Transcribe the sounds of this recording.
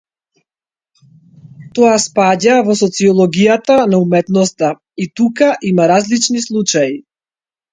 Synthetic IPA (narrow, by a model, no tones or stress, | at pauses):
t̪ɔaspaɟavɔsɔt̪siɔlˠɔɡijat̪anaumɛt̪nɔst̪a | it̪ukaʔimaɾazlit͡ʃnislˠut͡ʃaji